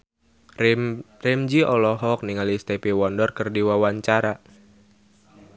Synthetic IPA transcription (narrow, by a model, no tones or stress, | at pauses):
rɛmd͡ʒiɔlɔɦɔk̚niŋalist̪epiwɔndɔrkɨrdiwawaɲt͡ʃaɾa